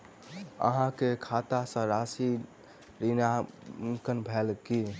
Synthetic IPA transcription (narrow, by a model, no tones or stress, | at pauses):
ə̰ɦãkekʰat̪asə̃ɾasi | ɾinakənbʱɛlki